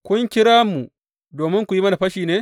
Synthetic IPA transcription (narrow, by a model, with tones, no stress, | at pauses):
kʷʊ˦ŋkʲɪ˦ɾaː˦mu˨ | doː˨mɪ˦ŋkʷu˨ji˦mɐ˦na˨ɸɐ˦ʃiː˨neː˦